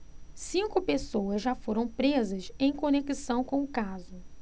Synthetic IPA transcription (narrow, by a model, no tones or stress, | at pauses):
sĩŋkʊpesowɐzʒafoɾɐ̃w̃pɾezɐzẽj̃konekisɐ̃w̃kõw̃ʊkazʊ